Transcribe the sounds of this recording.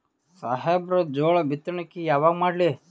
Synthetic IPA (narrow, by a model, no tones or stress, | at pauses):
saɦebɾɐd͡ʒoːɭɐbʱit̪ɾɐnɐkːijaːʋaːɡmaːɖli